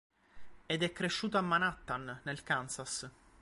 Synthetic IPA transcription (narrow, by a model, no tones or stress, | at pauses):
ed̪ɛkːɾeʃːuːt̪oamːanat̪ːanːelkansas